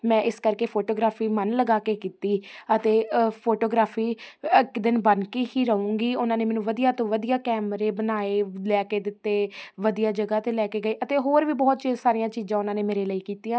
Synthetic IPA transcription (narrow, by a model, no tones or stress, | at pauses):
mɛ̃ːʔɪskəɾkeːpʰoːʈoːɡɾaːpʰiːmənləɡaːkeːkiːt̪iːət̪eːpʰoːʈoːɡɾaːpʰiːɪkd̪ɪnbənkiːɦiːɾəũːŋɡiːʊnãːneːmɛːnũːʋəd̪ijaːt̪õːʋəd̪ijaːkɛːmɾeːbənaːeːlɛːkeːd̪ɪt̪ːeːʋəd̪ijaːd͡ʒəɡaːt̪ẽːlɛːkeːɡəiːʔət̪eːɦoːɾʋiːbɔːt̪t͡ʃsaːɾijãːt͡ʃiːzãːʊnãːneːmeːɾeːləiːkiːt̪iːãː